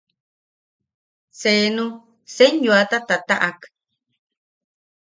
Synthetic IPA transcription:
seːnũ | seɲjuat̪at̪at̪aʔak

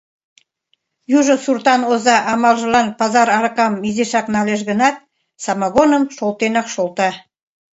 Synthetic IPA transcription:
juʒɤ̆surt̪ɑnozɑʔɑmɑlˠʒɤ̆lˠɑnpɑzɑɾɑɾɤ̆qɑmːizeʃɑknɑleʃ̬ɣə̆nɑt̪̚ | sɑmɑɣonəmʃolˠt̪enɑkʃolˠt̪ɑ

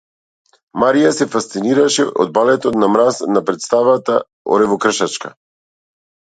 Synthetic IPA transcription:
maɾijasɛfast̪siniɾaʃɛʔɔ̰d̪̚balɛt̪ɔt̪namɾasnapɾɛt̪st̪avat̪a | ɔ̰ɾɛvɔkr̩ʃat͡ʃka̰

